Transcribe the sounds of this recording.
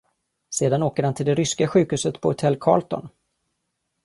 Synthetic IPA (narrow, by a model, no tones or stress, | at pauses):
seːd̪anoːkəɾhant̪ʰɪld̪ɛɾʏskaɧʉ̟ːkhʉ̟ːsət̪pʰɔhʊt̪ʰɛlːkʰɑ̰ːlt̪ɔ̰n